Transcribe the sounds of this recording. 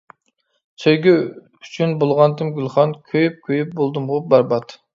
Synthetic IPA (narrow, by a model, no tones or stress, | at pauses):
søjɡʲy | yt͡ʃʰynbolˠʁɑnt̪ɨmɡʲylˠχɑnkʲʰøjyp̚kʲʰøjyp̚bolˠd̪ɨmʁʊp̚bɑɾbɑt̪